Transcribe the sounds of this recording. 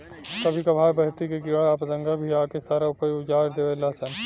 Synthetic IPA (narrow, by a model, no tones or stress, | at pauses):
kɐbʱikabʱaːjbɐɦt̪ikekɪaːpd̪ɐ̃ŋɡabʱiaːkesaːɾaʊpəjʊd͡ʒaːɾd̪eːʋelaːsən